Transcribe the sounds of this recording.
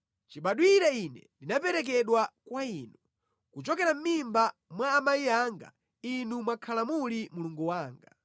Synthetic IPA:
t͡ʃiɓaɗwiɾainɛ̰ndinapɛɾɛk̬ɛɗwakwaiːnu | kut͡ʃɔkɛɾam̩mimbamwaːmaiaŋɡa̰ | inumwakʰalamulimuluŋɡuwaːŋɡa

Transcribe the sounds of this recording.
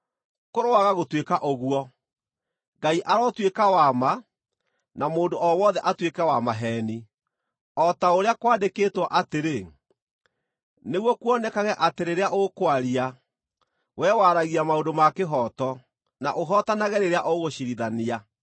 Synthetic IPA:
koɾowaɣaɣotwekaʔoɣuɔ | ŋɡaiʔaɾɔtwekawama | namoːndoʔɔwɔðɛʔatwekɛwamaɦɛːni | ɔtaoɾeakwaːndekeːtwɔʔateɾe | neɣwɔkwɔnɛkaɣɛʔateɾeɾeaʔokwaɾia | wɛwaɾaɣiamaodomakeɦɔtɔ | na̰ʔoɦɔtanaɣɛɾeɾeaʔoɣoɕiɾiðania

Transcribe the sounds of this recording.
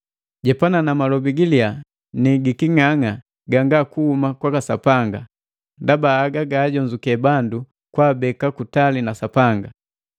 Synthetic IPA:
ɟɛpananamalɔbiɡilia | niɡikiŋaŋa | ɡaŋɡakuhumakwakasapaŋɡa | ndabaːɡaɡaːɟɔɲd͡ʒukɛbandu | kwaːbɛkakutalinasapaŋɡa

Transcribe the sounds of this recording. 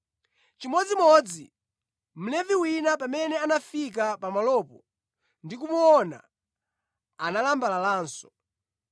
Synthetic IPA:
t͡ʃimɔd͡zimɔd͡zi | m̩lɛviwinap̬amɛnɛanafik̬apamalɔpɔ | ndikumuɔna̰ | analambalalaːnsɔ̥

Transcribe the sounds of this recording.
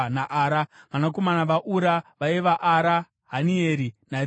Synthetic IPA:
naʔaːɾaʋanak̬o̞manaʋaʔuɾaʋaiʋaʔaɾa | ɦanieːɾina

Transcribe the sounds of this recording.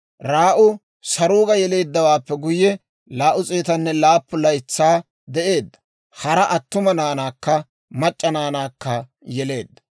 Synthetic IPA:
ɾaːʔʊ | sɐɾuːɡɐjɛle̞ːd̪ːɐwaːpːɛɡʊjːɛ | laːʔʊt͡sʼe̞ːt̪ɐnːɛlaːpːʊlɐjt͡sːaː | d̪ɛʔe̞ːd̪ːɐ̥ | hɐɾɐʔɐt̪ːʊmɐnaːnaːkːɐ | mɐt͡ʃʼːɐnaːnaːkːɐ | jɛle̞ːd̪ːɐ̥

